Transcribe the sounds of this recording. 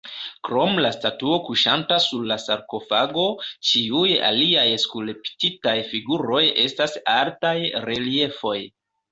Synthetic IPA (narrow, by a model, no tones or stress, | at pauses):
kɾo̞mlastatuo̞kuʃantasuɾlasaɾko̞faɡo̞t͡ʃiuja̰liajskuleptitajfiɡuɾo̞je̞stasaltajɾe̞lie̞fo̞j